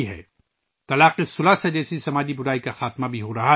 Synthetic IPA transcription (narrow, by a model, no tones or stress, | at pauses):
iɦɛ̰ː | t̪ɐlaːqisʊlased͡ʒɛːsisɐmaːd͡ʒibʊɾaːikaxaːt̪mabʱiɦoːɾɐɦa